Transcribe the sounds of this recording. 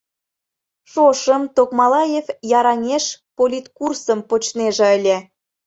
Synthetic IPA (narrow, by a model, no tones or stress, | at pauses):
ʃoʃəmt̪okmɑlɑjefjɑɾɑnʲeʃpolʲit̪kursəmpot͡ɕneʒĕəlʲe